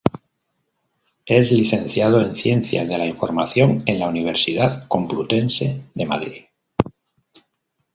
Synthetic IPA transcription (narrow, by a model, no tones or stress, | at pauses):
e̞zliθe̞nθjað̞oe̞nθje̞n̟θja̰zðe̞laiɱfo̞ɾmaθjo̞ŋe̞nlauniβ̞e̞ɾsiðaðko̞mplut̪e̞nse̞ðe̞ma̰ðɾið